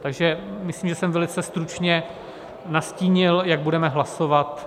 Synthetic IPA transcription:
t̪aɡʒɛmɪslimʒɛsɛmvɛlɪt͡sɛst̪ɾut͡ʃɲɛ | nasciːɲɪljaɡ̚budɛmɛɦlasovat̪

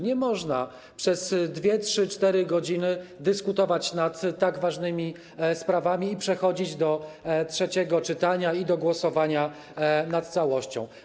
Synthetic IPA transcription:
ɲɛmɔʐna | pʂɛzd̪vʲjɛtʂɘt͡ʂt̪ɛɾɘɡɔd͡ʑinɘd̪ɘskut̪ɔvat͡ɕnat̪ːaɡvaʐnɘmʲi | spɾavamʲiːpʂɛxɔd͡ʑid͡ʑd̪ɔtʂɛt͡ɕɛɡɔt͡ʂɘt̪aɲaid̪ɔɡwɔsɔvaɲa | nat̪̚t̪sawɔɕt͡ɕɔ̰̃w̃

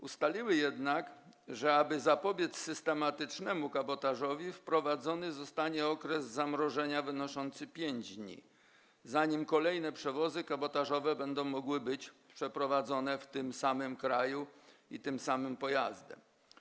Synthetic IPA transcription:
ust̪alʲiwɘjɛd̪nakʐɛabɘzapɔbʲjɛt̪ssɘst̪ɛmat̪ɘt͡ʂnɛmukabɔt̪aʐɔvʲifpɾɔvad̪zɔnɘzɔst̪aɲɛɔkɾɛzzamɾɔʐɛɲavɘnɔʂɔnt̪sɘpʲjeɲd͡ʑd̪ɲḭ | zaɲimkɔlɛjnɛpʂɛvɔzɘkabɔt̪aʐɔvɛbɛnd̪ɔ̃w̃mːɔɡwɘbɘt͡ɕpʂɛpɾɔvad̪zɔnɛft̪ɘmsamɘmkɾajuit̪ɘmsamɘmpɔjazd̪ɛ̰m

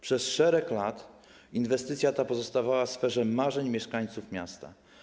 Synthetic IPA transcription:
pʂɛsʂɛɾɛklat̪ | invɛst̪ɘt̪sʲjat̪apɔzɔst̪avawafsfɛʐɛmaʐɛɲmʲjɛʂkaɲ̃t̪sufmʲjast̪a̰

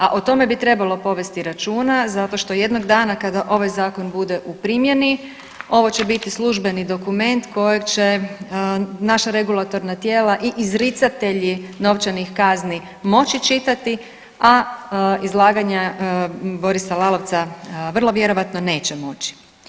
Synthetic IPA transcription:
aʔot̪o̞me̞bit̪ɾe̞balˠo̞po̞ʋe̞st̪iɾat͡ʃuːnazat̪o̞ʃt̪o̞je̞d̪no̞ɡd̪aːnakad̪aʔo̞ʋajzaːko̞nbud̪e̞ʔupɾimje̞ni | o̞ʋo̞t͡ɕe̞bit̪islˠuʒbe̞nid̪o̞kume̞nt̪ko̞jekt͡ɕe̞ | naʃaɾe̞ɡulˠat̪o̞ɾnat̪jeːlaʔiʔːzɾit̪sat̪e̞ʎino̞ʋt͡ʃanixkazni | mo̞t͡ʃit͡ʃit̪at̪i | a | izlˠaːɡaɲa | bo̞ɾisalˠalo̞ʋt̪saʋr̩lˠo̞ʋje̞ɾo̞ʋat̪no̞ne̞ːt͡ɕe̞mo̞t͡ʃi̥

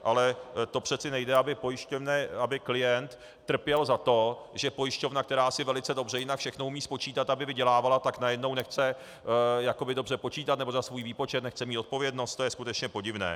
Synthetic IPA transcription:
ʔalɛt̪o̞pr̥ɛt͡sɪnɛjdɛabɪpojɪʃcovnɛabɪklɪjɛnt̪ː | r̩pjɛlzat̪o̞ | ʒɛpo̞jɪʃco̞vnak̚t̪ɛɾaːsɪvɛlɪt͡sɛdo̞br̝ɛjɪnakfʃɛxnoumiːspo̞t͡ʃiːt̪at̪abɪvɪɟɛlaːvalat̪aknajɛdno̞wnɛxt͡sɛ | jako̞bɪdo̞brɛpo̞t͡ʃiːt̪at̪nɛbo̞zasvuːjviːpo̞t͡ʃɛt̪nɛxt͡sɛmiːt̪o̞t̪̚po̞vjɛdnost̪o̞jɛskut̪ɛt͡ʃɲɛpo̞ɟɪvnɛ̰ː

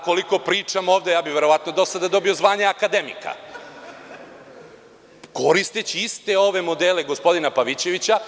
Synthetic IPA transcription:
ko̞liko̞pɾiːt͡ʂamo̞ːʋd̪ejaːbiʋe̞ɾo̞ʋat̪no̞d̪o̞sad̪ad̪o̞bijo̞zʋaːɲeakad̪emḭka̰ | ko̞ɾist̪et͡ɕiist̪e̞o̞ʋe̞mo̞d̪eleɡo̞spo̞d̪inapaʋit͡ɕe̞ʋit͡ɕa

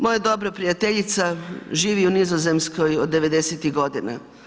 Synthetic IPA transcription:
mojad̪o̞bɾopɾijat̪eʎit̪saʒiːʋiunizoze̞mskojod̪ːe̞ʋe̞d̪eset̪iɣɡo̞d̪ina̰

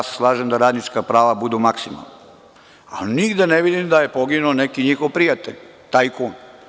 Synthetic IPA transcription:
sslˠaːʒemd̪aɾaːd̪nit͡ʃkapɾaːʋabud̪umaksima̰lˠna | a̰niɡd̪eneʋid̪imd̪aje̞poɡinuonekiɲixoʋpɾijat̪eʎʲ | t̪aːjkoːn

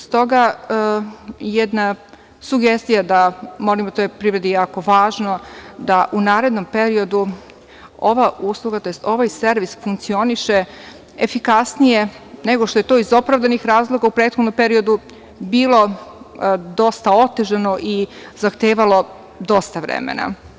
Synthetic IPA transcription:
st̪o̞ɡa | jɛd̪na | suɡest̪ijad̪amo̞limot̪ojepɾivɾed̪ejaːko̞ʋaːʒnod̪aʔunaːɾe̞d̪no̞mpe̞ɾio̞d̪u | o̞ʋauːsluɡat̪o̞jest̪o̞ʋajse̞ɾʋisfuŋk̪̚sio̞niʃe | efikasnije̞ | ne̞ɡo̞ʃt̪oe̞t̪o̞ːizo̞pɾavd̪anixɾaːzlˠo̞ɡaupɾeːt̪xd̪nompe̞ɾio̞d̪u | biːlˠo̞ | d̪o̞st̪ao̞t̪eʒano̞ʔizaxt̪eːʋalˠo̞ | d̪o̞st̪aʋɾḛmḛna̰

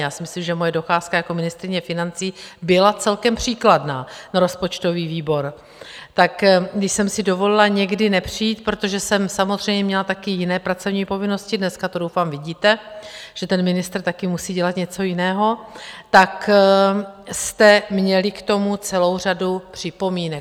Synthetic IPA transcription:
jaːsɪmɪslimʒɛmo̞jɛdo̞xaːskajako̞mɪnɪst̪ɾɪɲɛfɪnant͡siːbɪlat͡sɛlkɛmpr̝̥iːkladnaːnaɾo̞spo̞t͡ʃt̪o̞viːviːbo̞ɾ | t̪akɡdɪʃsɛmsɪdo̞vo̞lɪlaɲɛɡdɪnɛpr̝̥ijiːt̪̚pɾot̪o̞ʒɛsɛmsamozr̝ɛjmɲɛmɲɛlat̪akɪjɪnɛːpɾat͡so̞vɲiːpo̞vɪno̞scɪdnɛskat̪odowfaːmvɪɟiːt̪ɛʒ̥ɛt̪ɛnmɪnɪst̪rt̪akɪmusiːɟɛlat̪ɲɛt͡so̞jɪnɛːɦo̞t̪ak | st̪ɛmɲɛlɪkt̪o̞mut͡sɛlo̞wr̝adupr̝̥ɪpo̞miːnɛ

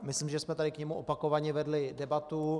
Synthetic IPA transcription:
mɪslimʒɛsmɛt̪adɪkɲɛmuʔopako̞vaɲɛvɛdlɪdɛbat̪u

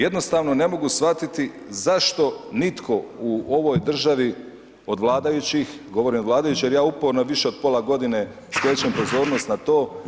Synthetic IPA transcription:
je̞d̪nost̪aːʋno̞ne̞mo̞ɡusʋat̪it̪i | zaʃt̪o̞nit̪kʰo̞uo̞ʋo̞jd̪r̩ʒaʋi | o̞d̪ʋlˠaːd̪ajut͡ɕix | ɡo̞ʋo̞ɾimod̪ʋlˠaːd̪ajut͡ɕijeɾjaːupoɾnoʋiʃeo̞d̪̚po̞lˠaɡo̞d̪ine̞ | sp̪jeːt͡ɕempo̞zo̞ːɾno̞st̪nat̪o̞ː

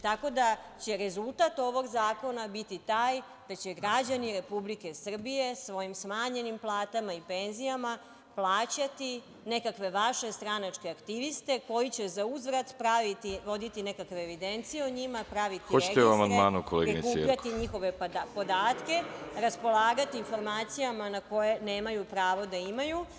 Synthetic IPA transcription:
t̪ako̞d̪at͡ɕe̞ɾe̞zulˠt̪at̪o̞ʋo̞ɡzaːko̞nabit̪it̪aːj | d̪̥at͡ɕe̞ɡɾad͡ʑaniɾe̞publike̞sr̩bije̞sʋo̞jimsmaːɲe̞nimplˠaːt̪amaipe̞nzijama | plˠaːt͡ɕat̪i | ne̞kakʋe̞ʋaʃe̞st̪ɾanat͡ʂkeakt̪iʋist̪e̞ko̞jit͡ɕe̞zauzʋɾat̪pɾaʋit̪iʋo̞d̪it̪ine̞kakʋeːʋid̪e̞nt̪sijeoɲimapɾaʋit̪iot͡ɕet̪euamand̪maːnukoleɡɾin̰kuʎatt̪iɲixo̞ʋe̞apo̞d̪aːt̪ke̞ɾaspo̞laːɡat̪iːnfo̞ɾmaːt̪sijamanako̞je̞ne̞ːmajupɾaːʋo̞d̪aimaju

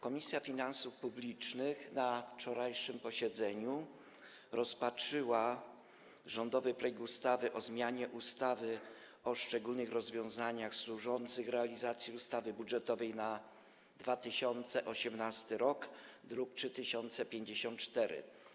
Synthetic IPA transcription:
kɔmʲisʲjafʲinansufpublʲit͡ʂnɘxnaft͡ʂɔɾajʂɘmpɔɕɛd̪zɛɲu | ɾɔspatt͡ʂɘwa | ʐɔnd̪ɔvɘpɾɛjɛkust̪avɘʔɔzmʲjaɲɛʔust̪avɘ | ɔʂt͡ʂɛɡulnɘxɾɔzvʲjɔ̃w̃zaɲaxswuʐɔnt̪sɘxɾɛalʲizat̪sʲjiust̪avɘbudʐɛt̪ɔvɛjna | d̪vat̪ɘɕɔnt̪sɛʔɔɕɛmnast̪ɘɾɔkd̪ɾuk̚tʂɘt̪ɘɕɔnt̪sɛpʲjeɲd͡ʑeɕɔnt̪̚t͡ʂt̪ɛɾɘ̰

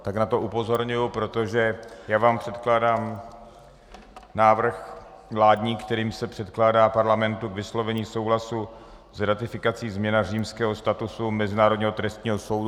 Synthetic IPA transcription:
t̪aknat̪o̞ʔupo̞zo̞ɾɲujʊpɾo̞t̪o̞ʒɛjaːvaːmpr̥ɛt̪klaːdaːm | naːvr̩x | vlaːdɲiːkt̪ɛɾiːmsɛpr̥ɛt̪klaːdaːpaɾlamɛnt̪ukvɪslo̞vɛɲiːso̞wɦlasu | zɾat̪ɪfɪkat͡siːzmɲɛnar̝iːmskɛːɦo̞st̪at̪usumɛzɪnaːɾodɲiːɦo̞t̪ɾɛst̪ɲiːɦoso̞wd

